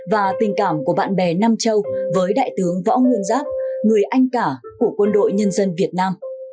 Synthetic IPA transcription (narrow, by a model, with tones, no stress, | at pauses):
vaː˨˩t̪ï˨˩ŋ̟kaː˧˩mku˧˩əɓa̰ː˧˨nɓɛ˨˩naː˧mt͡ɕə˧wvəː˨˦jɗa̰ː˧˨jt̪ɨ˨˦əŋvɔ̰˧˥ŋwɨ˧ənzaː˦˥p̚ŋɨ˨˩əjʔa˧jŋ̟kaː˧˩ | ku˧˩əkwə˧nɗo̰˧˨jɲə˧nzə˧nvi˨˩ət̚naː˧m